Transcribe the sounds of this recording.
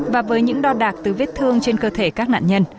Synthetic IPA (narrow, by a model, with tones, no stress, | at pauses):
vaː˨˩vəː˨˦jɲɨ̰˧˥ŋɗɔ˧ɗaː˨˩k̚t̪ɨ˨˩ve˦˥t̚t̪ʰɨ˧əŋt͡ɕe˧nkəː˧t̪ʰe˧˩kaː˦˥k̚na̰ː˧˨ɲə˧n